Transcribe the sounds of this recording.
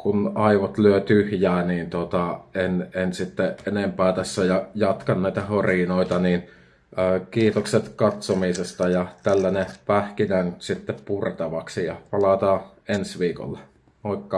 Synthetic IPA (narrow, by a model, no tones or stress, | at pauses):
kunɑiʋot̪lyøt̪yhjæːniːnt̪ot̪ɑenensit̪ːeʔenempæːt̪æsːæjɑjɑt̪kɑnnæˑit̪æhorinoˑit̪ɑniːn | əːkiːt̪okset̪kɑt̪somisest̪ɑjɑt̪ælːænepæhkinænt̪sit̪ːeppurt̪ɑʋɑksijɑpɑlɑt̪ɑː | ensʋiːko̰lːɑ | oˑikːɑ